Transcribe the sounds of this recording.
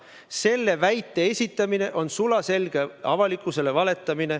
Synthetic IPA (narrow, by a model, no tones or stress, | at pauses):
se̞lːe̞væjt̪ːˑe̞esʲit̪ˑːɑmine̞ʔo̞nsulɑse̞lɡ̥e̞ɑvɑlikːˑuse̞le̞vɑle̞t̪ːˑɑmine̞